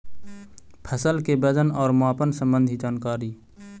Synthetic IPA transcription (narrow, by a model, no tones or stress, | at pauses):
pʰəsəlkebəd͡ʒənɔːɾmaːpənsə̃mbə̃nd̪ʱid͡ʒaːnkaːɾiː